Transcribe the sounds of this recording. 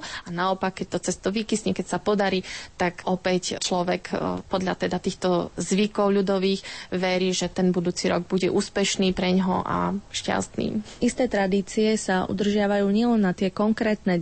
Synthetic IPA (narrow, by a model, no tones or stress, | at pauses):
anaɔpakːɛc̚t̪ɔt͡sɛst̪ɔʋikisɲɛkɛcsapɔd̪aɾiːt̪akɔpɛct͡ʃlɔʋɛkpɔd̪ʎa̰t̪ɛd̪at̪iːxt̪ɔzʋikɔʊʎud̪ɔʋiːɣʋɛɾiːʒɛt̪ɛnbud̪uːt͡siɾɔɡ̚buɟɛʔuːspɛʃniːpɾɛɲɦɔ̰ʔa̰ʃca̰st̪nḭːʔist̪ɛːt̪ɾad̪iːt͡siɛsaʔṵd̪r̩ʒɪaʋajuːɲɪɛlɛnːat̪ɪɛkɔŋkɾɛːt̪nɛ